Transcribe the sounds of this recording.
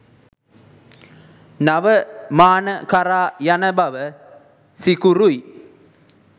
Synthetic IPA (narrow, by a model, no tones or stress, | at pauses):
naʋəmaːnəkaɾaːjanəbaʋə | sikuɾuji